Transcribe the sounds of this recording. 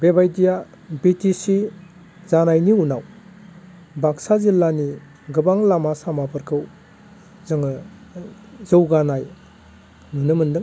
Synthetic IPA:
bebajdija | bitisi | zanajniunaw | baksazilːani | ɡɯbaŋlamasamapʰɯɾkʰɯw | zɯŋ | zɯwɡanaj | nunɯmɯndɯŋ

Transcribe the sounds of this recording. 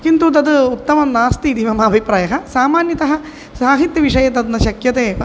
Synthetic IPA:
kint̪ut̪ɐd̪ɨut̪ːɐmɐnaːst̪id̪iʋɐmɐːbʱipɾaːjɐɦɐsaːmaːnjɐt̪ɐɦɐ | saːɦit̪jɐʋiʂɐjɐt̪ɐd̪nɐʃɐkjɐt̪eːʋɐ

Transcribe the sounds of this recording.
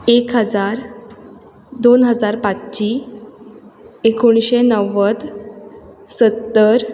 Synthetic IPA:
ekɦəd͡zaɾ | d̪onɦəd͡zaɾpat͡st͡ɕi | ekoɳ̃ɕenəʋəd̪ | sət̪ːəɾ

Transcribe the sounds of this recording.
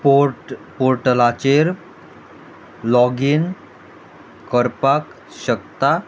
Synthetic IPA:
popoɾʈəlat͡ɕeɾ | lɔɡiːn | kəɾpak | ɕəkt̪a

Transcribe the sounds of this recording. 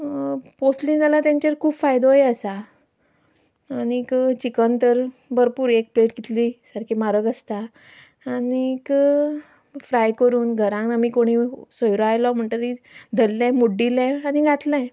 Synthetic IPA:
posʈlĩŋd͡zalat̪jãɲt͡ɕeɾkʰuːbfajd̪ojəsa | nikt͡ɕikənt̪əɾbəɾpuːɾek̚pleʈ̚ɡit̪lisəɾkʰimaɾəɡəst̪aː | nik | fɾajkəɾuːnɡʱəɾãŋknamiːkoɽ̃isojɾoajlɔm̤əɳʈ̪əɾid̪ʱəlːãmuɖːilɛ̃aniɡʱat̪lãj

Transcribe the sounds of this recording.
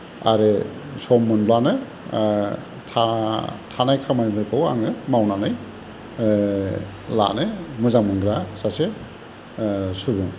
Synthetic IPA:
a̰ɾesɔmːɯnblanɯ | tʰatʰanajkʰamajmɯɾkʰawa̰ŋɯmawnanɯj | la̰nɯmɯzaŋmɯnɡɾasase | suɾbuŋ

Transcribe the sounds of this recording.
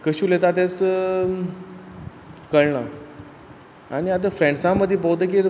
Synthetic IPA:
kəɕuːlet̪at̪es | kəɾɳə̰ | aɽ̃iat̪̬ə̃fɾẽɳɖsãməd̪ʱːip̬əwt̪ək̬iː

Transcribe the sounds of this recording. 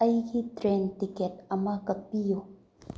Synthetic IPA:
ɐjkitɾɛntikɛt̚ɐmakɐpijo

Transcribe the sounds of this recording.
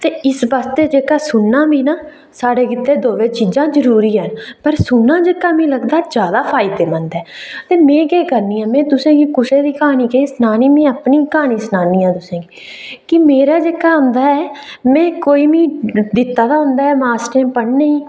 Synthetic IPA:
t̪eːɪsbaːst̪eːd͡ʒeːkaːsʊnːãːbiːnaː | saːɽeːkɪt̪ːeːd̪oːʋeːt͡ʃiːd͡ʒãːzəɾuːɾiːɦənpəɾsʊnːãːd͡ʒeːkaːmĩːləɡd̪aːd͡ʒjaːd̪aːpʰaːɪd̪eːmə̃nd̪ɛːt̪eːmɛ̃ːkɛːkəɾnĩːãːmɛ̃ːt̪ʊsẽːɡiːkʊsẽːd̪iːkaːniːkesnaːniːmɛ̃ːəpniːkaːniːsnaːniːãːt̪ʊsẽːɡiiː | kɪmeːɾaːd͡ʒeːkaːɦʊ̃nd̪aːɛː | mɛ̃ːkoːiːmĩːd̪ɪt̪ːaːd̪aːɦʊ̃nd̪aːɦɛːmaːsʈẽːpəɽneĩː

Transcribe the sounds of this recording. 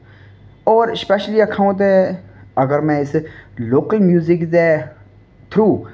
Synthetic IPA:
ɔːɾspɛʃəliɐkʰãw̃nt̪eɐɡəɾmɛ̃islokəlmjuːzikd̪ɛ | t̪ʰɾuː

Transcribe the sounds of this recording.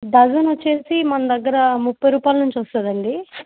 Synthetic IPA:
d̪ɐɡɐnot͡ʃːe̞ːsimɐnɐd̪ɐɡːɐɾɐmupːɐjɾuːpaːlɐnuɲt͡ʃʋɐst̪aːd̪ɐɳɖi

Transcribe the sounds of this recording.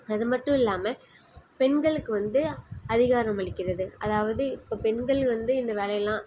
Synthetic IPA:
ɐðɯmɐʈːʊ̃ɪlːaːmɐ | pɛɳɡɐɭɯkːɯʋɐnd̪ɯɐðɪɣaːɾɐ̃mɐɭɪkːɪɾɐðɯɐðaːʋɐðɯɪpːoːpɛnɡɐɭʋɐnd̪ɯɪnd̪ɐʋeːɭɐjɐlːãː

